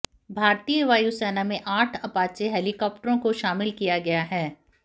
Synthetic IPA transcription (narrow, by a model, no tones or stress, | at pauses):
bʱaːɾt̪ijəʋaːjusɛːnamẽʔaːʈʰɐpaːt͡ʃeɦɛːlɪkɔːp̚ʈəɾõkoʃaːmɪlkijaɡɐjaɦɛː